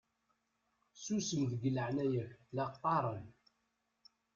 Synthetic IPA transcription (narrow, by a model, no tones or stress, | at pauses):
susəmðəɡələʕnæjəçlɑqqːɑɾˤən